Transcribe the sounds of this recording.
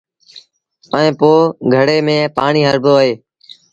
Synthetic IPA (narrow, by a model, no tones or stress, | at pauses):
əẽːpoːɡʱəɽeːmẽːpa̰ːɳiːɦəɾbʱoːəɦeː